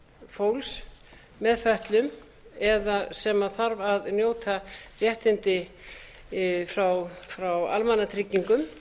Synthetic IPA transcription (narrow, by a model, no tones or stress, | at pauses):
foːwls | mɛðfœht̪lʏm | ɛðasɛmaθaɾvaðnjoːwt̪ʰavjɛht̪ɪnt̪ɪ | fɾawfɾawa̰lmanːat̪ʰɾɪcːiŋkʏm